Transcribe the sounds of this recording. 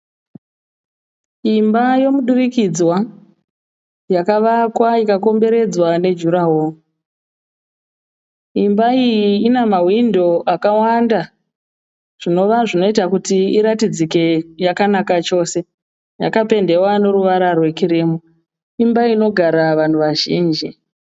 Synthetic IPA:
imbajo̞muɗurikid͡zwa | jakaʋakwaikako̞mbe̞ɾe̞d͡zwane̞d͡ʒuɾaɦo | imbaijiːnamawindo̞ʔakawanda | ʐ̥ino̞ʋaʐino̞itakutiiɾatid͡zike̞jakanakat͡ʃo̞ːse̞ | ja̰kape̞nde̞wane̞ɾuʋaɾarwe̞kiɾimu | imbaino̞ɡʱaɾaʋan̤uʋaʒḭːnd͡ʒi

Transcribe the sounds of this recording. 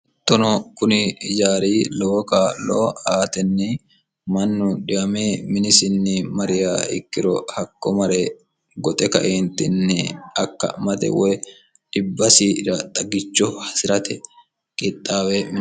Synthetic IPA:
t̪ːɔnɔkʊnɪɪd͡ʒaːɾiːlɔːkaːloːaːt̪ɛnːɛ | mɐnːʊᶑɪʔɐmeːmɪnɪsɪnːɪmɐɾɪjaːɪ̰kːɪɾɔ̰hɐkːɔmɐɾe | ɡɔt̪ʼɛkɐ̰ʔent̪ːɪnːɛɐkːɐ̰mɐt̪ɛ̰wɔj | ᶑ̥ɪbːɐsiːɾɐt̪ʼɐɡɪt͡ʃːɔhɐsɪɾɐt̪ʰɛ | kʼɪt̪ʼːaːwem

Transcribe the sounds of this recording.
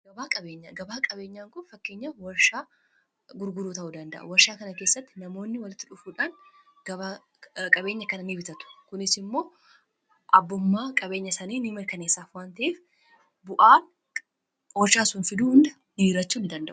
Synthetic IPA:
ɡ̥ɐbaːkʼɐbe̞ːɲːaɡɐbaːkʼɐbe̞ːɲːaːŋkʊnfɐkːeːɲːawɐɾʃaː | ɡʊɾɡʊɾuːt̪ɐʔuːd̪ɐnd̪ɐ̰ʔɐ̰wɐɾʃaːkɐnɐkeːsːɐt̪ːɪnɐmo̞ːnːɪwɐlɪt̪ːɪᶑʊfuːᶑaːn | ɡ̥ɐba | kʼɐbeːɲːɐkɐnɐnibɪt̪ɐt̪ʊ̥kʊnɪsɪmːo̞ː | ʔɐbːʊmːaːkʼɐbe̞ːɲːɐsɐniːnimɐɾkɐne̞ːsːaːfwaːnt̪ɐʔeːf | bʊʔaːn | wɔɾʃaːsʊnfɪd̪uːhʊnd̪ɐ | nɪiɾɐt͡ʃːuːnd̪ɐnd̪ɐ̰ʔʊ̥

